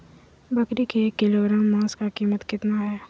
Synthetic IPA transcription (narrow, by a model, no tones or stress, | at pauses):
bɐkɾikekːɪloɾə̃ŋmãːskakiːmət̪kɪt̪naɦɛː